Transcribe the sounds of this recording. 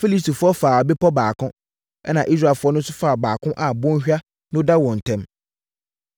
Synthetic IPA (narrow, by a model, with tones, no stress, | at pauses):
fi˦li˦sti˨fʊ˦ɔ˦faː˨a˨bɪ˦pʰɔ˦baː˨kʰʊ̃˦ | ɛ˦nã˨ʔi˦s̬ɾa˨fʊ˦ɔ˦nʊ̃˦sʊ˦faː˦˨baː˨kʰʊ̃˦ʔa˨bɔ̃˦n˦ɕᶣa˦ | nʊ̃˦da˦wɔ̃˨n̩˨tʰɛ̃˦m